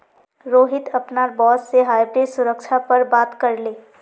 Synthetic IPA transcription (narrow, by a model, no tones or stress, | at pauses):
ɾoːɦɪt̪ɐpnaɾbɔːsːeɦaːjbɾesʊɾək̚t͡ʃʰapəɾbaːt̪kəɾleː